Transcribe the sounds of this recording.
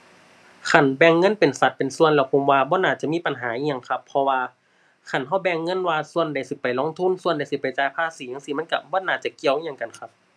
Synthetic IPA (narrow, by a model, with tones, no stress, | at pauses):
kʰa˧˩nbɛː˧ŋːɤ˧˥˨npe˨˩nsa˧˦t̪̚pe˨˩nsu˧˨ənlɛː˧˩wpʰo˧˦mwaː˧bɔː˧˦naː˧˩t͡ɕa˧˨miː˧˥˨pa˨nɦaː˨˦ʔiː˧˨ŋɲa˧˨ŋkʰa˧pʰːɔ˧waː˧ | kʰa˧˩˨nɦa˧˥˩wbɛː˧ŋːɤ˧˥˨nwaː˧su˧˨ənda˨˩jsi˧˦pa˨˩jloː˧˥˨ŋt̪ʰu˧˥˨nsu˧ənda˧˩jsi˧˦pa˨˩jt͡ɕaː˧˥˨jpʰaː˧˨siː˨˦a˧˨ŋsi˧ma˧˥˨nka˧bɔː˧˨naː˧˩t͡ɕa˧˩ki˧˨əwɲa˧ŋka˨nkʰa˧p̚